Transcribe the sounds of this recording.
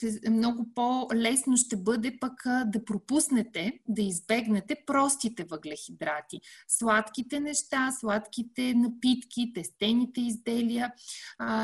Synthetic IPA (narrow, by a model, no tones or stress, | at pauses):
t̪ɛmnɔɡʊpolɛsnoʃt̪ɛbɤd̪ɛpəkd̪ɐpɾopusnɛt̪ɛd̪ɐizbɛɡnɛt̪ɛpɾɔst̪it̪ɛvəɡlɛxid̪ɾat̪islˠat̪kit̪ɛnɛʃt̪aslˠat̪kʲit̪ɛnɐpit̪k̟ʲit̪ɛst̪ɛnit̪ɛizd̪ɛliə